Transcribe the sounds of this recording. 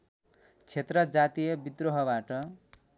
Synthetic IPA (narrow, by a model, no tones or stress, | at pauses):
t͡sʰet̪rʌd͡zat̪ijʌbid̪roɦʌbaʈʌ